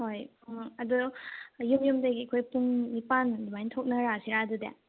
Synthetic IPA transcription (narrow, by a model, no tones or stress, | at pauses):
hoj | ŋɐdujumjumdaɡiɐkʰojpuŋnipandubajntʰok̚nɐɾasiɾadudḛ